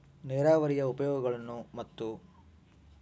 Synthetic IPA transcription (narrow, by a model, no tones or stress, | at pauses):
nɛːɾaːʋɐɾijɐupɐjɔːɡɐɡɐɭɐnːumɐt̪ːu